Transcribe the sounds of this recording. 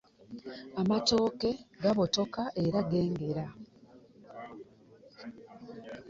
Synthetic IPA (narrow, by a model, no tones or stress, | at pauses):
amato̞ːke̞ɡaβo̞to̞kaʔe̞ɾaɡe̞ːŋɡe̞ɾa